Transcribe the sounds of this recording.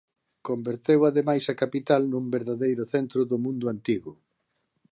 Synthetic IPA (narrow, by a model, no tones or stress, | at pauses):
kombeɾt̪ewaðemajsakapit̪alnumbeɾðaðejɾʊθent̪ɾʊðʊmũnd̪ʊant̪iɣʊ